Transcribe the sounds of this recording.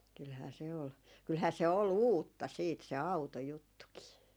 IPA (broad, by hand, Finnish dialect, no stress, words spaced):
kylhæː se ol kylhæː se ol uːtːɑ siːt se ɑu̞tojutːukiː